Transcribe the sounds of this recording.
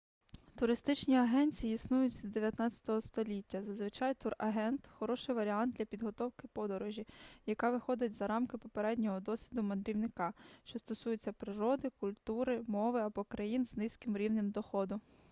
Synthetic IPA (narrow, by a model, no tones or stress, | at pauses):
t̪ʊɾɪst̪ɪt͡ʃnʲiɐɦɛnʲt͡sʲijiisnujʊt͡sʲzd̪eʋʲjɐt̪nɑt͡sʲɐ̥t̪ɔɦɔst̪ɔlʲitʲːɐzɐzʋɪt͡ʃɑjt̪uɾɐɦɛnt̪xɔɾɔʃɪjʋɐɾʲiɑnd̪̚d̪lʲɐpʲid̪ɦɔt̪ɔwkɪpɔd̪ɔɾɔʒʲijɐkɑʋɪxɔd̪ɪtʲzɐɾɑmkɪpɔpeɾɛdʲnʲɔɦɔd̪ɔsʲʋʲid̪ʊmɐd̪ɾʲiwnɪkɑʃt͡ʃɔst̪ɔsujʊt͡sʲːɐpɾɪɾɔd̪ɪkʊlʲt̪uɾɪmɔʋɪɐbɔkɾɐjinznɪsʲkɪmɾʲiwnɪmd̪ɔxɔd̪ʊ